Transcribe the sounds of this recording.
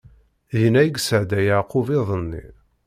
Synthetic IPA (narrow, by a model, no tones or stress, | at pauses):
jnæjɡsəʕd̪æjaʕqʊvɪðˤənːḭ